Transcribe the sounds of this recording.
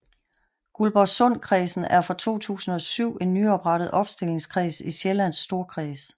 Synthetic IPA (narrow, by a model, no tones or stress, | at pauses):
ɡ̥ulb̥ɒsɔn̰kʰʁiːsn̩æɐfʁɑ̈t͡sʰo̝̰ːt͡sʰṵːsn̩ɒ̽syʊ̰e̝nːyɒ̽b̥ʁɑ̈ɾ̥ð̩ˠʔɒ̽b̥sd̥e̝le̝ŋskʰʁḭːsiɕelæn̰sd̥o̝ɐkʰʁiːs